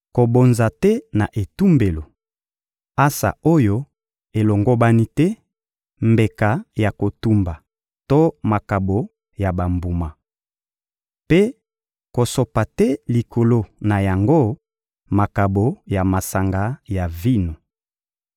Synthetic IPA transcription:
ko˨bo˨nza˨tɛ˦na˨ʔe˨tu˦mbe˨lo˨ | a˦sa̰˨o˦jo˦ | e˨lo˨ŋɡo˦ba˦ni˦tɛ˦ | mbe˨ka˨ja˨ko˨tu˦mba˨ | to˦ma˨ka˨bo˨ | ja˨ba˨mbu˨ma˨ | pe˦ | ko˨so˨pa˨tɛ˦li˨kʰo˨lo˦na˨ja˨ŋɡo˦ | ma˨ka˨bo˨ja˨ma˨sa˨ŋɡa˦ja˨vi˦no˨

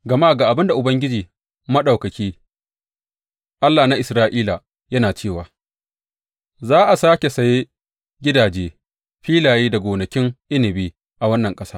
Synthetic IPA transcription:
ɡɐ˨maː˦˨ɡaː˨ʔa˨bɪ˦nda˨ʔʊ˨bɐ˦ŋɡʲɪ˦d͡ʒiː˨ | mɐ˦ɗa˨wkɐ˨kʲiː˦ | ʔa˦lːaː˨na˦ʔɪ˨sɾaː˦ʔiː˦la˨ | jɐ˦naː˨t͡ʃeː˦˨waː˨ | zaː˦ʔa˨saː˦kʲe˨sɐ˨je˦ | ɡʲɪ˦daː˨d͡ʒeː˦ | ɸiː˦laː˨jeː˦da˨ɡʷoː˨nɐ˨kʲɪ˦ŋʔɪ˦nɪ˨biː˦ | ʔa˨wɐ˦nːɐ˨ŋkʼɐ˦saː˦

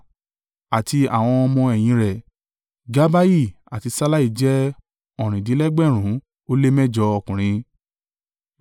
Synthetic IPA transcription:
a˨ti˧a̰˨w̃ɔ̃˧ɔ˧mɔ̃˧ɛ˨j̃ĩ˧ɾɛ˨ | ɡa˦ba˦ji˦˨ | a̰˨ti˧sa˦la˦i˦˨d͡ʒɛ˦ | ɔ˨ɾ̃ĩ˨di˨˦lɛ˦ɡ͡bɛ˦˨ɾ̃ũ˨˦ | o˦le˦mɛ˦d͡ʒɔ˧ɔ˧˨kũ˨ɾ̃ĩ˧

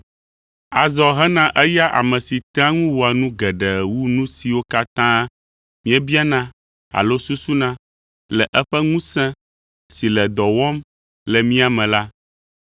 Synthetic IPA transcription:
a˨zɔ˨ɦɛ˦nã˦ʔɛ˦ja˦ʔa̰˨mɛ̃˨si˨t̪ɾã˦ŋũ˦wo˨a˨nũ˦ɡɛ˨ɖɛ˨wu˦nũ˦si˨wo˦ka˦t̪ã˦ | mĩ˦ɛ˦bi˦a˦nã˦ | a̰˨lo˦su˦su˦nã˦ | lɛ˨ʔɛ˦ɸɛ˦ŋũ˦sɛ̃˦ | si˨lɛ˨d̪ɔ˨wɔ˦m | lɛ˨mĩ˦a˨mɛ̃˨la˦

